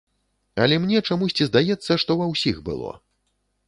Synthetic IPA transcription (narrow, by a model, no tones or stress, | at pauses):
ɐlʲɛmnʲɛt͡ʂamusʲt͡sʲizd̪ajɛt̪sːɐʂt̪ɔvɐwsʲixbɨ̰lˠɔ̰